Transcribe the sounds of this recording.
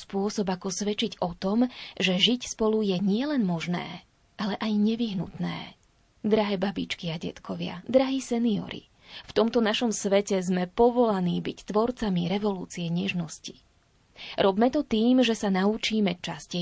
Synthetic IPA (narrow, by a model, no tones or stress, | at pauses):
spʊɔsɔbakɔsʋɛt͡ʃiɟɔt̪ɔmʒɛʒicspɔlujɛɲɪɛlɛnmɔʒnɛ̰ː | ʔalɛʔajɲɛʋiɦnṵt̪nɛ̰ː | d̪ɾaɦɛːbabḭt͡ʃkiaɟɛ̰t̪kʰɔʋɪa̰d̪ɾaɦiːsɛniɔ̰ɾḭ | ft̪ɔmt̪ɔnaʃɔmsʋɛcɛzmɛpɔʋɔlaniːbict̪ʋɔɾt͡samiɾɛʋɔlṵːt͡siɛɲɛʒnɔsci | ɾɔbmɛt̪ɔt̪iːmʒɛsanaut͡ʃiːmɛt͡ʃascɛ